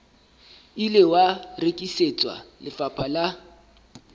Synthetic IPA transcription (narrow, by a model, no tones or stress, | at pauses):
ilɪwarekʼiset͡sʼwa̰lɪfapʰala